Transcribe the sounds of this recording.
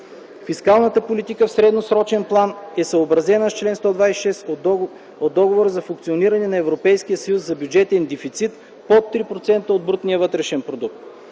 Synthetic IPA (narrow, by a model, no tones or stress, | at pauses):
fiskalˠnət̪əpolit̪ikəfsɾɛd̪nosɾɔt͡ʃɛnplˠanɛsəobɾɐzɛnəst͡ʃlɛnst̪ɔd̪vajsɛʃɛs | od̪ːɔɡovoɾəzɐfuŋkt̪sioniɾɐnɛnɐɛvɾopɛjsk̟ijəsəjuszɐbjud͡ʒɛt̪ɛnd̪ɛfit̪sit̪ | pot̪ːɾipɾot̪sɛnt̪əod̪̚bɾut̪nijəvɤt̪ɾɛʃɛnpɾod̪uk̚t̪